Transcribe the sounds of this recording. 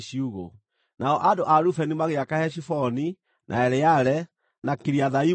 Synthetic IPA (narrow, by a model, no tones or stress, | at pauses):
ɕiuɣo̰ | nʔaɔʔadoʔaɾufɛnimaɣeakahɛɕifɔni | nʔa̰ɛɾɛjaɾɛ | nakeɾiaðai